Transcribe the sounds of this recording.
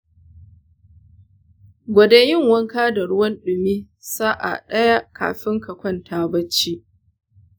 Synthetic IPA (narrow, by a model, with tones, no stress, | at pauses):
ɡʷɐ˨de˦jɪ˦˨ŋwɐ˦ŋkaː˦da˨ɽʊ˦wɐ˦nɗʊ˨miː˦ | saː˦ʔa̰˨ɗɐ˦ja˦ka̰ː˨ɸɪ˦ŋkɐ˨kʷɔ˦˨ntʰaː˦bɐ˦t͡ʃːiː˦ʔ